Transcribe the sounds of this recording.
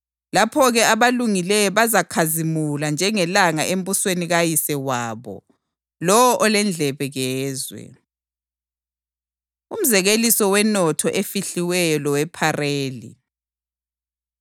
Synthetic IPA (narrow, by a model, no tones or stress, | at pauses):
lapʰɔɣɛaβaluŋilɛjɔβazakʰazimuland͡ʒʱɛŋɛlaŋaʔem̩βusweniɣajisɛwaːβɔ̰ | lɔwɔʔɔlɛnd͡ɮʱɛβɛɣɛːzwɛ̰ | um̩zɛɣelisɔwɛnɔtʰɔʔefiɬiwɛjɔlɔwɛpʰareːlḭ